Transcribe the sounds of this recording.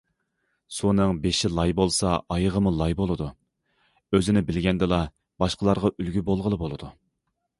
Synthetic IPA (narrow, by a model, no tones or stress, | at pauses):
sunɨŋbeʃɪlˠɑjbolˠsɑʔɑjəʁəmulˠɑjbolˠɨd̪u | øzɪnɪbɪlɡʲɛnd̪ɨlˠɑ | b̥ɑʃqəlˠɑɾʁɑʔylɡʲybolˠʁəlˠɨbolˠɨd̪u